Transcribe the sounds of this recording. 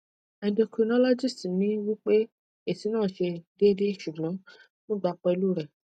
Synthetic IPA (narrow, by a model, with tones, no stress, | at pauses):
ɛ̃˨ndo˧kɾi˨˧nɔ˦lɔ˦d͡ʒi˦˨sti˨nĩ˦wi˦k͡pe˦ | e˦˨si˨˦nãː˦˨ʃe˧de˦de˦˨ʃu˨ɡlɔ̃˨˦ | nũ˦˨ɡ͡ba˧˦k͡pɔ˧i˧lu˦˨ɾɛ˨